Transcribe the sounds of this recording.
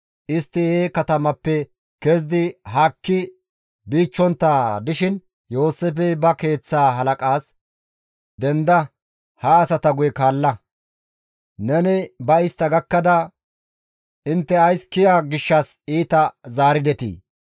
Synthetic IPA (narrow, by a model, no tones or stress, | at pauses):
ʔɪst̪ːɪeːkɐt̪ɐmɐpːɛ | kɛzd̪ɪɦɐkːɪ | biːt͡ʃːɔnt̪ːaːd̪ɪʃɪn | jo̞ːsːefɛbɐke̞ːt͡sːaːɦɐlɐkʼaːs | d̪ɛnd̪ɐ | hɐːsɐt̪ɐɡʊjɛkaːlːɐ | nɛnɪbɐɪst̪ːɐɡɐkːɐd̪ɐ | ʔɪnt̪ːɛɐjskɪjaːɡɪʃːɐs | iːt̪ɐzaːɾɪd̪ɛt̪ḭː